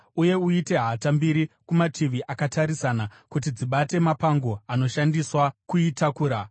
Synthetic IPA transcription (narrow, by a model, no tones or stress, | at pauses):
uje̞uite̞ɦatambiɾikumatʰiʋiʔakataɾisanakutid͡ziɓate̞mapaŋɡo̞ano̞ʃandiswakuitakuːɾa